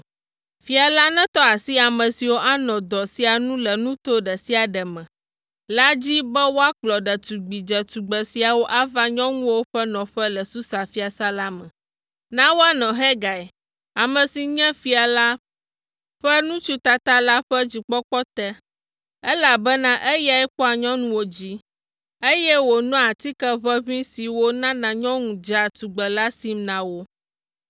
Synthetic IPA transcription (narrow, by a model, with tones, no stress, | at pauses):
fi˨a˨la˦nɛ̃˦t̪ɔ˦a˨si˦a˨mɛ̃˨si˨wo˦ʔa˦nɔ̃˨d̪ɔ˨si˦a˨nũ˦lɛ˨nũ˦t̪o˦ɖɛ˨si˦a˨ɖɛ˨mɛ̃˨ | la˦d͡ʑi˦bɛ˦wo˦a˦k͡plɔ˨ɖɛ˨t̪u˨ɡ͡bi˨d͡ʒɛ˨t̪u˨ɡ͡bɛ˨si˨a˨wo˦ʔa˦va˦ɲɔ̃˦ŋũ˦wo˦ɸɛ˦nɔ̃˨ɸɛ˦lɛ˨su˦sa˨fi˦a˨sa˦la˦mɛ̃˨ | nã˦wo˦a˦nɔ̃˨ɦɛ˦ɡa˨ɛ˨ | a˨mɛ̃˨si˨ɲɛ̃˦fi˦a˨la˦ | ɸɛ˦nũ˦t͡ʃu˦t̪a˨t̪a˦la˦ɸɛ˦d͡ʑi˨k͡pɔ˦k͡pɔ˦t̪ɛ˦ | ɛ˦la˨bɛ˦nã˦ʔe˦ja˨ɛ˦k͡pɔ˦a˨ɲɔ̃˦nũ˦wo˨d͡ʑi˦ | e˦jɛ˦wo˨nɔ̃˦a˨t̪i˦kɛ˦βɛ˦βĩ˦si˨wo˦nã˦nã˨ɲɔ̃˦ŋũ˨d͡ʒa˨t̪u˨ɡ͡bɛ˨la˦si˦mnã˦wo˦